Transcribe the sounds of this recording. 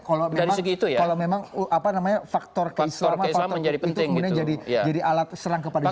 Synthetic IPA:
kalamedaɾiŋsəɡiːt̪ujakalamemaŋʔapanamaɲafak̚t̪ɔrkislɔmaisfalamɔəɲd͡ʒadipəitt̪ɪkəmudiaɲad͡ʒadijad͡ʒadiʔalat̪̚səɾaŋkəpada

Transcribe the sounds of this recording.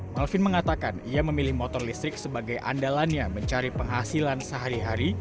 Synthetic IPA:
malfɪnməŋat̪akaniaməmilɪhmot̪ɔrlist̪ɾɪk̚səbaɡajʔa̰ndalanɲaməɲt͡ʃaɾipəŋɦasilansəɦaɾiɦaɾi

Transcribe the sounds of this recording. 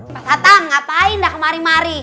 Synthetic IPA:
dat̪aŋːapaindakmaɾimaɾi

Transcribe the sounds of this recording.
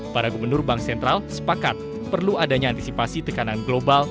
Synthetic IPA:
paɾaɡubərnʊrbaŋksɛnt̪ɾalsə̥pakat̪̚ | pərluadaɲaːnt̪isipasit̪əkananɡlobal

